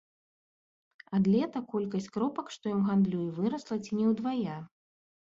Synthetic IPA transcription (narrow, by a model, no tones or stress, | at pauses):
ɐd̪lʲɛt̪ɐkɔlʲkɐsʲt͡sʲkɾɔpɐkʂt̪ɔjɔmɣand̪lʲujivɨɾɐslˠɐt͡sʲinʲɛwd̪vaja